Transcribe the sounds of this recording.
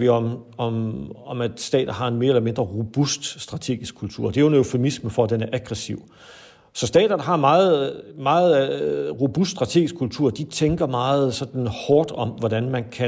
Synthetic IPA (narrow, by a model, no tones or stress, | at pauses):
ʋiɒ̽mɒɒ̽mæd̥sd̥ɛ̰ːd̥ð̩ˠɦɑ̈e̝nme̝ːɐelɐme̝nd̥ʁɐʁob̥usd̥sd̥ʁɑ̈t͡sʰe̝̰ːɡ̥isɡ̥kʰult͡sʰṵɐ̰d̥e̝æjo̝nøʊfe̝misməfɒ̽æd̥enæɐʔæɡ̥ʁɛsiʊ̰ | sɒ̽sd̥ɛ̰ːd̥ɐnɦɑ̈mɑ̈ːð̩ˠmɑ̈ːð̩ˠʁo̝b̥usd̥sd̥ʁɑ̈t͡sʰe̝̰ːɡisɡ̥kʰːult͡sʰuɐ̰d̥it͡sʰeŋɡ̥ɐmɑ̈ːð̞̩ˠsɒ̽d̥n̩hɒːd̥ɒ̽mʋɒɾ̥ænmænkʰæ